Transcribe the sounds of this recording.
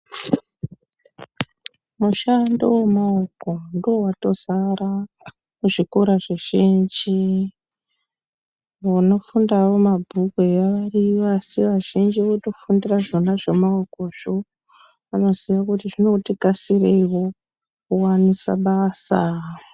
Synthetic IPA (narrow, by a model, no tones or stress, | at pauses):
muʃandowemaokondoowato̞zaɾa | muʐikuɾaʐeʒind͡ʒi | ʋono̞fundaʋo̞mabʱuɡʱwejaʋariʋasiʋaʒind͡ʒiʋoto̞fundiraʐo̞naʐemaokoʐ̥o | ano̞zijakutiʐino̞tikasireiwo̞ | kuwanisa̰ɓaːsa̰